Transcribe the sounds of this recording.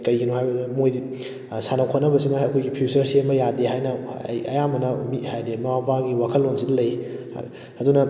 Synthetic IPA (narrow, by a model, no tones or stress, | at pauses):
kɐjɡinuhajbɐdmoj | sanawkʰanɐbɐsinɐːkʰojɡipʰusɐɾsemɐjadeɦajna̰jɐjamɐnɐmithajdemawapaɡiwakʰəlːonsidlɐj̰ | ɐdunɐ